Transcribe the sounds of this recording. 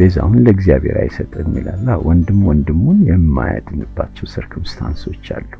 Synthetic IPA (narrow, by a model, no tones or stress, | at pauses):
b̥ezawunləɡzijaβeɾajɪsət̪ʼɨnnilalːawʔɔnd̪ɨmwɔnd̪ɨmːunjɛmːaja̰d̪ɨnɨbːat͡ʃːɛwsɨɾkʰɨmst̪ʰanso̞t͡ʃːalːu